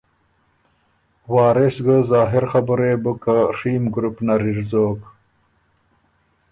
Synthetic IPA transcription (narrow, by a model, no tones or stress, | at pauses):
waːɾesɡəzaːɦiɾxabuɾeːbukaʂiːmɡɾupnaɾiɾzoːk